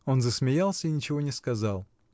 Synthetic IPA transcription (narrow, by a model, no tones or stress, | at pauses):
o̞nzəsmʲɪjalˠsʲəinʲɪt͡ɕɪvo̞nʲɪskɐzɑlˠ